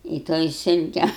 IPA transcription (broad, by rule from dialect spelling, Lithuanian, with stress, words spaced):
ɪ ˈtoːj ˈsʲɪlʲkʲɛ